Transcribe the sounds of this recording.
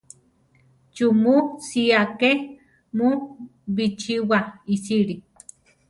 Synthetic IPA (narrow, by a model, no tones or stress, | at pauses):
t͡ʃumusiake | muβit͡ʃiwaisiɾi